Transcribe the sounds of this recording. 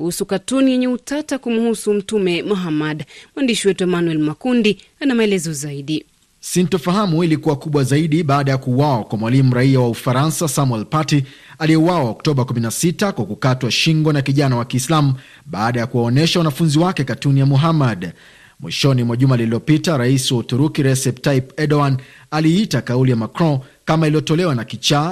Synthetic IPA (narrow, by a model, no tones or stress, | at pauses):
kuhusukatunijɛɲɛutatakumuhusum̩tumɛmuɦamaɗmwandiʃiwɛtuɛmanuɛlmakundi | anamaɛlɛzɔzaiɗi | sintɔfaɦamuilikuwakuɓwazaiɗiɓaːɗajakuːwawakwamwalimuɾaiawaufaɾansasamwɛlpati | aliɛuwawaɔk̚tɔɓakuminasitakwakukatwaʃiŋɡɔnakiʄanawakiːslam̩ | ɓaːɗajakuwaɔnɛʃawanafunziwakɛkatunijamuɦamaɗ | mwḭʃɔnimwaʄumaliliɔpitaɾaisiwaut̪uɾukiɾɛsɛp̚tajpɛɗɔan | aliitakaulijamakɾɔ̃kamailijɔtɔlɛwanakit͡ʃa